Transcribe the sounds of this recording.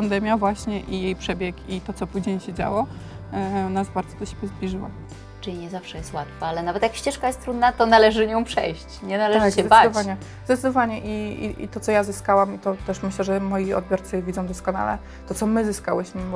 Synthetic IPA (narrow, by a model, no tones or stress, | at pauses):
pand̪ɛmʲjavwaɕɲɛʔijejpʂɛbʲjɛkit̪ɔt̪ɔpuʑɲejɕɛd͡ʑa̰wɔ | nasbaɾd̪zɔd̪ɔɕebʲjɛzblʲiʐɨwa̰ | t͡ʂɨlʲiɲɛzafʂɛjɛst̪wat̪faalɛnavɛt̪jakɕt͡ɕɛʂkajɛst̪t̪ɾud̪nat̪ɔnalɛʐɘɲɔ̃w̃pʂɛ̰jɕt͡ɕɲɛnalɛʐzɛd̪bavd̪ivvaɲɛ | zd̪ɛt̪sd̪ɔvaɲɛʔiḭʔḭt̪ɔt̪ɔjazɘskawamit̪ɔt̪ɛʂmɘɕlɛʐɛmɔjiɔ̰d̪̚bʲjɔɾt̪sɘvʲid̪zɔ̃w̃d̪ɔskɔna̰lɛ̰ | t̪ɔt̪sɔmɘzɘska̰wɘɕmɘ